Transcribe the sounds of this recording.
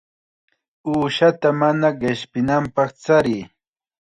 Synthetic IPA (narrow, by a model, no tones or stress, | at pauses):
uːʃat̪amanaɢɪʃpɪnampɑχt͡saɾɪː